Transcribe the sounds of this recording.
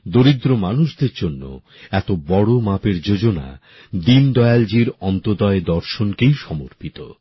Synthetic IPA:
d̪oɾid̪ɾomanuʃd̪eɾd͡ʑonːo̰ | ɛt̪obɔɽomapeɾd͡ʑod͡ʑona̰ | d̪ind̪ɔeald͡ʑiɾɔnt̪od̪ɔed̪ɔɾʃonkejʃɔmoɾpit̪o̰

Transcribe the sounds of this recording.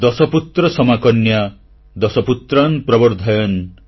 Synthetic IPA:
d̪ɔsɔput̪ɾɔsɔmakɔnja | d̪ɔsɔput̪ɾanpɾɔbɔɾd̪ʱajɔn

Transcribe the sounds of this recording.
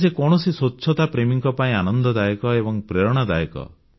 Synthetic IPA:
sekɔɽ̃ɔsisotːt͡ʃʰɔt̪apɾemiŋkɔpaĩanɔnd̪ɔd̪ajɔkɔebɔŋpɾeɾɔɽ̃ɔd̪ajɔkɔ̰

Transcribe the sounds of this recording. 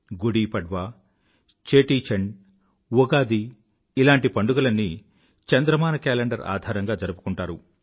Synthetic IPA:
ɡuɽiːpɐɖʋaː | t͡ʃeːʈiːt͡ʃɐɳɖ | ʋɔɡaːd̪iː | laːɳʈipɐɳɖuɡɐlɐnːi | t͡ʃɐnd̪ɾɐmaːnɐkɛːleɳɖɐɾa̰ːd̪ʱaːɾɐŋɡaːd͡ʒɐɾɐpu̥kuɳʈaːɾu

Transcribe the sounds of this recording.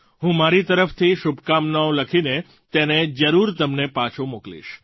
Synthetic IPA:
ɦũmaɾit̪əɾəft̪ʰiʃubkamnaõləkʰine | t̪ened͡ʒəɾuɾt̪əmnepat͡ʃʰomoklḭʃ

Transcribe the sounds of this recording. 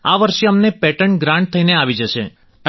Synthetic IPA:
aʋəɾʃeəmnepɛʈəɳɡɾãɳɖ̚t̪ʰəineaʋid͡ʒəʃe | ə

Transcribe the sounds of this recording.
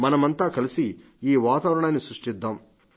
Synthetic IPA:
mɐnɐmɐnt̪aːkɐlisi | iːʋaːt̪aːʋɾɐɳaːnːisɾuʂʈid̪ːaːm

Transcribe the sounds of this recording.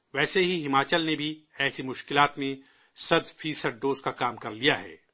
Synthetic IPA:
ʋɛːseɦiɦɪmaːt͡ʃəlnebʱiɛːsimʊʃkɪlaːt̪mẽ | sɐd̪fʰiːsəɖ̚ːoːzkakaːmkɐɾlijaɦɛ̰ː

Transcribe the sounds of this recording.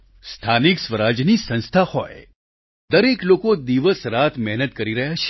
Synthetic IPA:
st̪ʰaniksʋəɾad͡ʒnisə̃nst̪ʰahoj | d̪əɾeklokod̪iʋəsɾat̪ʰmɛɦnət̪̚kəɾiɾəɦjat͡ʃʰe̥

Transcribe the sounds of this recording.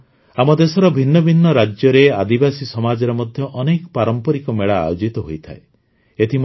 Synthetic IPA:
amɔd̪esɔɾɔbʱinːɔbʱinːɔɾad͡ʒjɔɾead̪ibasisɔmad͡ʒɔɾɔmɔd̪ʱjɔʔɔnekɔpaɾɔmpɔɾikɔmeɭa̰ːjod͡ʒit̪ɔɦojt̪ʰa̰e | et̪ʰi

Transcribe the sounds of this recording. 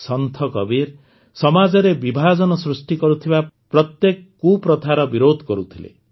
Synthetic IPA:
sɔnt̪ʰɔkɔbiɾ | sɔmad͡ʒɔɾebibʱad͡ʒɔnɔsɾusʈikɔɾut̪ʰibapɾɔt̪jekɔkupɾɔt̪ʰaɾɔbiɾod̪ʱkɔɾut̪ʰilḛ

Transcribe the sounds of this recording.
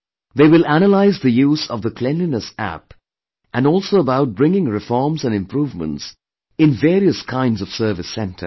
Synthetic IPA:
ðeɪwɪlˠæñəlaɪzðɨjuːzʌ̰vðəkʰl̥ɛ̃nlinəsæ̰p | ʔɨ̃nɔlˠsoʊəbaʊt̚b̥ɹɪ̃ŋɪ̃ŋɹɨfɔɹmzə̃nɨ̃mpɹuːvmə̰̃nts | ɪ̃nvɛːɾiəskʰãɪ̃ndzʌv̥sɜ˞vɨsɛ̃ntʰə̰˞

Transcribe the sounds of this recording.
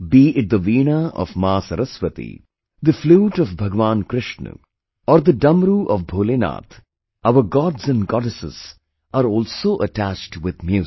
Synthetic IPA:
biːʔɪʈ̚d̪əʋiːnaɔ̰fmaːsəɾəsʋət̪ḭ | d̪əfluːʈɔfbʱɐɡʋãːnkɾɪʃnṵ | ɔːɾd̪əɖɐmɾuʔɔfbʱoːlena̰ːt̪ʰ | aʊəɾɡɔːɖzɛ̃nɡɔɖɪsɪ̰z̥ | aːɾɔːlsoːʔəʈæt͡ʃʈʋɪd̪mjuː

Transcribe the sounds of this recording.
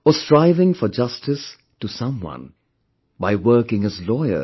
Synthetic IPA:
əstɹaɪvɪ̃ŋfəd͡ʒʌstɨs | tusʌ̃mwʌ̰̃n | baɪwɜ˞kɪ̃ŋɨzlɔɪə̰

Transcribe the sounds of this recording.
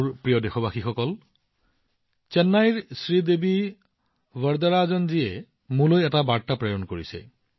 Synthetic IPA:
ɹpɹijɔdexɔbaxixɔkɔl | t͡ʃɛnːajɹsɹidebi | bəɹd̪aɹazɔnziɛ | mũlojɛtabaɹtapɹejɔnkoɹisɛ̰

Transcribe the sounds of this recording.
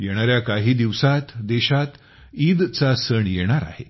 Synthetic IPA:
jeɽ̃aɾjakaɦiːd̪iʋsat̪d̪eɕat̪ | id̪t͡sasəɳjeɽ̃aɾa̰ɦe

